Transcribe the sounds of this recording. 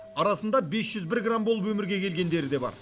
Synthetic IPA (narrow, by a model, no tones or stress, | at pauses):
ɑɾɑsənd̪ɑbe̞sʒ̥ʏzbɪɾɡrambolˠəpwɵmɪɾɡʲe̞kʲʰe̞lɡʲe̞nd̪e̞ɾɪd̪e̞bɑ̰ɾ